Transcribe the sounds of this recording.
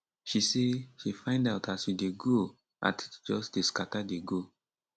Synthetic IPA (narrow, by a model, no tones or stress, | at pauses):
ʃiseʃifãɪ̃ndaʊtasideɡo | a̰td͡ʒɔsdeskatadeɡo